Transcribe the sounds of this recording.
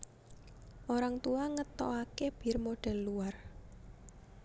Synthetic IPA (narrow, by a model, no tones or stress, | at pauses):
ʔoɾaŋt̪uaŋət̪ɔakeb̥i̤rmoɖ̥ɛ̤lːuar